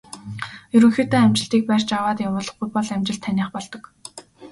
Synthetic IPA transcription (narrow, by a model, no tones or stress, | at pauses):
jɵɾɵ̆ŋxeːt̪eːæmt͡ɕɪ̆ɬt̪iːk̚pæːrt͡ɕawaːt̪jawʊːɮə̆χɡujpɔɮæmt͡ɕɪ̆ɬt̪ʰːanʲiːχpɔɮt̪ɞ̆k